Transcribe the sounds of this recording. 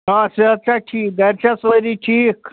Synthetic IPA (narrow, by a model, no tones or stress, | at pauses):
ɦãseat͡ɕaʈʰiːk̚ɡəjɾt͡ɕasəɾiʈʰiːk